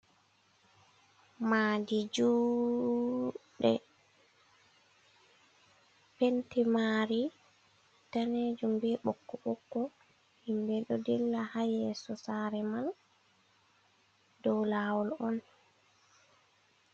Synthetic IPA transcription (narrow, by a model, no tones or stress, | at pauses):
maːdid͡ʒu | ɗɛ | pentimaɾi | taneːd͡ʒumbɛɓɔkːɔɓɔkːɔ | himbɛɗɔdɛlːahajɛsɔsaːɾɛman | dɔwlaːwɔlɔn